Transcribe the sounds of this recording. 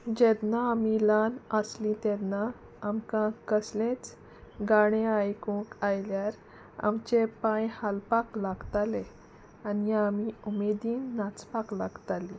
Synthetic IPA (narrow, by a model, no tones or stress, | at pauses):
d͡ʑɛɾnaːmilanəslĩt̪ɛɾnaː | mkãkəslẽt͡s | ɡaɽ̃ẽajkũkajljaɾ | a̰mt͡ɕepãjhalpaklaɡt̪ale | aniamiumed̪iːnːat͡spaklaɡt̪ali